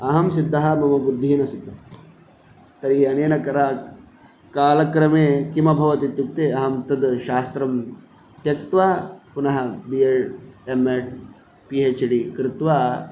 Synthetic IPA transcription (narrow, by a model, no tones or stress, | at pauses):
ɐɦɐmsid̪ʱːɐɦɐmɐmɐbud̪ʱːiːnɐsid̪ʱːɐ | t̪ɐɾiɐneːnɐkɐɾaː | kaːlɐkɾɐmeːkimɐbʱɐʋɐt̪it̪juk̚t̪eːɐɦɐmt̪ɐd̪ʃaːst̪ɾɐm | t̪jɐkt̪ʋaːpunɐɦɐbieemeʈ | pieːt͡ʃɽikɾɪt̪ʋaː